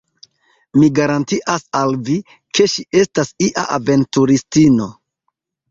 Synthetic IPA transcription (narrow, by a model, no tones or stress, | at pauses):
miɡaɾantiʔasalvi | ke̞ʃie̞stasiʔa̰ʔave̞ntuɾistino̞